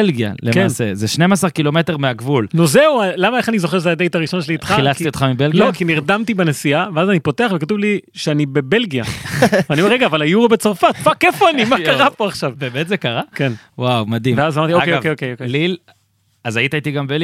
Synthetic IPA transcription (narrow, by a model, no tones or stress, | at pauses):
elɡija̰lekeaːnsezeʃnemasaʁkilo̞me̞te̞ʁmeaɡvulnuzeualamaeχanizo̞χeʃezead̪ejtaʁiʃo̞nʃeliːt̪χailastijot̪χamibellɡioakiniʁd̪amt̪ibenesiaveazanipo̞te̞aχvekatuvliʃeanibe̞be̞lɡijavaniomeeɡaːvalajuʁabet͡saʁfatfake̞fo̞animakaʁapo̞aχʃavbebet̪zekaʁaken | wawmad̪imveazamaʁtiokejvkejokejokelil | azajit̪ait̪iɡambel